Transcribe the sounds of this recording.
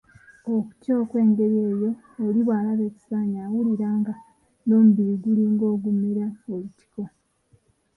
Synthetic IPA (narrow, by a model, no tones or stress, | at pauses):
oku̥coːkwe̞ːŋɡe̞βieːjo̞ː | liβwaːlaβe̞ci̥saːɲaːwuliɾaːŋɡa | noːmubiɾiɡuliŋɡo̞ːɡumiɾaoliti̥ko